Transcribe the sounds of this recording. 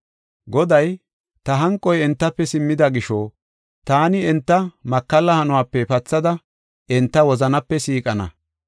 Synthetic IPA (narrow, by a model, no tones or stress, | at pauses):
ɡɔd̪ɐj | t̪ɐɦɐŋkʼːɔjɛnt̪ːɐpːɛsɪmːɪd̪ɐɡɪʃɔː | t̪aːnɪɛnt̪ːɐmɐkːɐlːɐhɐnʊwaːpːɛpɐt͡sːɐd̪ɐ | ʔɪnt̪ːɐwɔzɐnɐpːɛsiːkʼɐnɐ̰